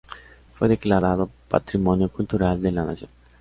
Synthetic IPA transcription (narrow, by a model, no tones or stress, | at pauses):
fojd̪eklaɾaðopa̰t̪ɾimɔnjokult̪uɾald̪elana̰ze